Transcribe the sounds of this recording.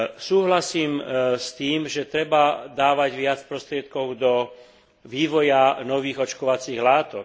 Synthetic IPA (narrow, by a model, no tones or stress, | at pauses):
suːɦlasiːmst̪iːmʒɛt̪ɾɛbad̪aːʋaɟʋɪat͡spɾɔst̪ɾɪɛt̪̚kɔʊd̪ɔ | ʋiːʋɔjanɔʋiːɣɔt͡ʃkɔʋat͡siːɣlaːt̪ɔk